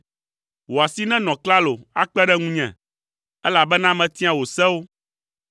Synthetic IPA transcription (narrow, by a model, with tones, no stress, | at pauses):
wo˨a˨si˦nɛ̃˦nɔ̃˨kla˦lo˨a˦k͡pɛ˦ɖɛ˦ŋũ˦ɲɛ̰̃˨ | ɛ˦la˨bɛ˦nã˦mɛ̃˨t̪ĩ˦a˨wo˨sɛ˦wo˦